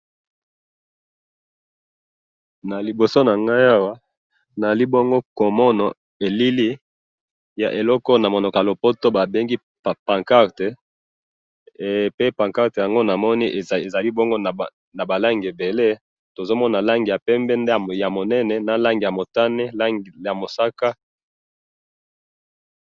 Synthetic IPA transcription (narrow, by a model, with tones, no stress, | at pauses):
na˨li˨bo˨so˦na˨ŋɡa˦ja˦wa˦ | na˨a˨li˦bo˦ŋɡo˦ko˨mɔ˦nɔ˨ | e˨li˦li˦ | ja̰˨ʔe˨lɔ˦kɔ˦na˨mo˨no˨ka˨lo˨po˦to˦ba˨be˦ŋɡi˦ | ppã˨ŋka˦ʁte˨ | pe˦pã˨ŋka˦ʁte˨ja˨ŋɡo˦na˨mɔ˦ni˦ʔe˨za˨li˦bɔ˦ŋɡo˦˨ | na˨ba˨la˦ŋɡe˨be˨le˦ | to˨zo˦mɔ˦na˨la˦ŋɡi˨ja˨pɛ˦mbɛ˦nde˦˨ja˨mo˨nɛ˦nɛ˨na˨la˦ŋɡi˨ja˨mo˨ta˦ne˦˨ja˨mo˨sa˦ka˦